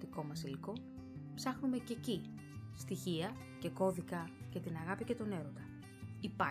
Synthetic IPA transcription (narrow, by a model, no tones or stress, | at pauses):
t̪iko̞mɐsiliko̞ | psɐxnume̞ce̞ci | st̪içiɐ | ce̞ko̞ðikɐcɐt̪inɐɣɐpice̞t̪o̞ne̞ɾo̞td̪ɐ | ipɐ